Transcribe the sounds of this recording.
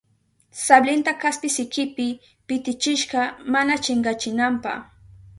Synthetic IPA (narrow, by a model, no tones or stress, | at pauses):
sablɪnt̪akaspɪsɪkɪpɪ | pɪt̪ɪt͡ʃɪʃɢɑmanat͡ʃɪɴɢɑt͡ʃɪnampɑ̰χ